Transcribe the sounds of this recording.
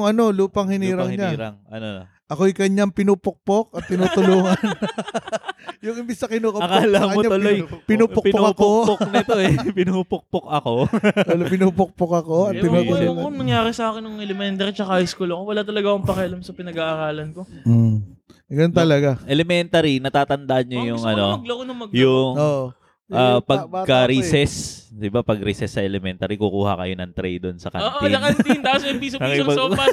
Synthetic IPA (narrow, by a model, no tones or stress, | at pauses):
jʊŋʔɐno̞luːpɐŋhɪniːɾɐŋɲaːɾaŋɐ̰no | ʔɐkojkɐɲaŋpɪnuːpok̚pok̚ɐt̪ːɪnuːt̪ʊluːŋɐn | jʊŋʔɪmbɪsnɐkɪnuːkɐkalɐmkɐɲoɲaʊlojpɪnuːpokppokɐkooknt̪oɛpɪnupok̚pokɐkot̪ɐlopɪnuːpok̚pok̚ɐko̞ɐt̪ːɪnuːt̪ʊluːŋɐɐŋnɐŋjaːɾɪsɐʔaːkɪnːʊŋʔɛlɛmɛnt̪ɐɾit͡ʃɐkaɪskʊlokowɐlat̪ɐlɐɡakʊŋpɐkɛɐlɐmsɐpɪnɐɡaʔɐɾaːlɐnko̞ | ɡɐnont̪ɐlɐɡaʔɛlɛmɛnt̪ɐɾinɐt̪aːt̪ɐnd̪ɐʔɐnɲojʊŋɐno̞mɐɡ̚lokonɐŋmɐɡ̚jʊŋoʔ | ʔaːpɐɡ̚kːɐɾisɛsd̪ɪbapɐɡɾisɛsːɐʔɛlɛmɛnt̪ɐɾikukuːhɐ̰kɐjo̞nɐŋt̪ɾɛjd̪onsɐkɐ̰nːt̪iɐkɐnt̪nt̪asɐpiːsoɐkiɐopɐ